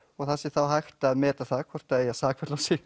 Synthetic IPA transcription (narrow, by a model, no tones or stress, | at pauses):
ɔɣθasːɪθawɦajxt̪aːðmɛːt̪aθakʰvɔr̥t̪aeːjasaːkʰvɛt̪lawsɪɣ